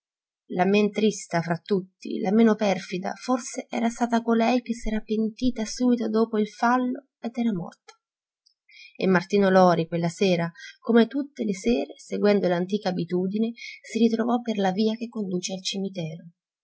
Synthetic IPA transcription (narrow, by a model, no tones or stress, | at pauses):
lament̪ɾist̪afɾat̪ːut̪ːḭlameːnopɛrfid̪a̰forseʔɛ̰ːɾast̪aːt̪akolɛjk̟esːɛːɾapent̪iːt̪asuːbit̪od̪oːpoilfalːo | ed̪ɛːɾamɔ̰rt̪o̥ | ḛmːart̪iːnolɔːɾikwelːasɛːɾakomet̪ut̪ːeleseːɾeseɡwɛnd̪olant̪iːkaːbit̪uːd̪inesiɾit̪ɾovɔpːerlaviːakekːond̪uːt͡ʃealt͡ʃimit̪ɛːɾo